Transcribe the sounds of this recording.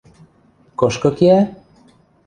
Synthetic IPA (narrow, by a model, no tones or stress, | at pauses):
koʃkokia